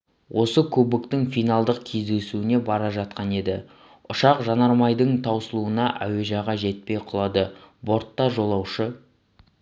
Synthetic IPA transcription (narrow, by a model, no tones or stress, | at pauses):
wʔo̞səkʲʰɵbɪkt̪ɪŋfijnɑlˠd̪əqkʲʰe̞zd̪e̞suɪne̞bɑɾɑʒɑt̪̚qɑne̞d̪ɪ̰ | ʊʃɑqʒɑnɑɾmɑjd̪əɴt̪ʰɑwsəlˠuənɑʔæwe̞ʒɑʁɑʒe̞t̪̚pe̞jqʰʊlˠɑd̪əbo̞ɾt̪ːɑʒo̞lˠɑwʃə